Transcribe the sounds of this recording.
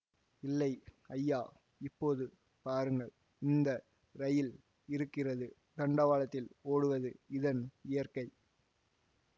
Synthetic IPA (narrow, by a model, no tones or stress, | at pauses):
ɪlːɐɪɐjːaː | ɪpːoːðɯ | paːɾɯŋɡɐɭ | ɪnd̪ɐ | ɾɐjɪl | ɪɾɯkːɪrɐðɯ | t̪ɐɳɖɐʋaːlɐt̪ːɪloːɽɯʋɐðɯɪðɐnɪjɐɾkɐɪ